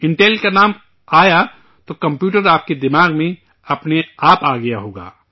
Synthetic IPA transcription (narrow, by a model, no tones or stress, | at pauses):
ɪ̃ɳʈeːlkanaːm | aːja | t̪okɐ̃mpjuːʈəɾaːp̚ked̪ɪmaːɡmẽ | ɐpneaːpaːɡɐjaɦoːɡa̰ː